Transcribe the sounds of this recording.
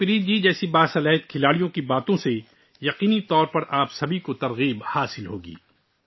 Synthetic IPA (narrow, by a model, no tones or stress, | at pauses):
pɪɾiːd͡ʒid͡ʒɛːsibaːsɐlaːɦɪt̪̚kʰɪlaːɽijõkibaːt̪õse | jɐqiːnit̪ɔːɾpɐɾaːpsɐbʱikot̪ɐɾɣiːbhaːsɪlɦoːɡḭː